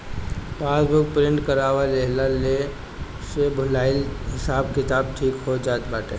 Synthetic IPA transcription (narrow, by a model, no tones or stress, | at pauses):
paːsbʱʊk̚pɾɪ̃ɳʈkəɾaːʋaleɦlale | sebʱʊlaːɪlɦɪsaːbkɪt̪aːb̚ʈʰiːkɦod͡ʒaːt̪baːʈḛ